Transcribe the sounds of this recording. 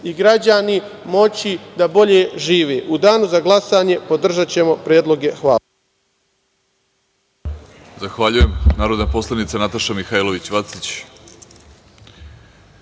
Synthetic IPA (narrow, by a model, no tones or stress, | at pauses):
iɡɾad͡ʑanimo̞t͡ɕid̪abo̞ʎe̞ʒiːʋeːʔud̪aːnuzaɡlˠasaːɲe̞po̞d̪r̩ʒat͡ɕe̞mo̞pɾjeːd̪lo̞ɡe̞xʋaː | zaxʋaʎujemnaːɾod̪napo̞slˠanit̪sanat̪aʃamixailoʋit͡ɕʋasit͡ɕ